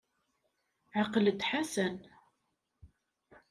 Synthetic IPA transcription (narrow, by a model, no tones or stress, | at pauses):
ʕɑqələd̪ħasən